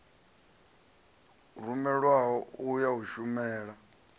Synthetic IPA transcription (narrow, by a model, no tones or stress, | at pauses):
rumɛɺwaɦɔujaɦuʃumɛːɺa